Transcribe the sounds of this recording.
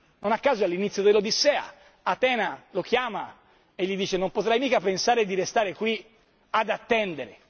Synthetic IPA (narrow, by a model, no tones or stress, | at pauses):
nonakːaːzoalːinit̪sːjod̪elod̪isɛːa̰ | at̪ɛːnalokjaːma | eʎːid̪iːt͡ʃenompot̪ɾajmiːkapensaːɾed̪iɾest̪aːɾekwi | ad̪at̪ːɛnd̪eɾe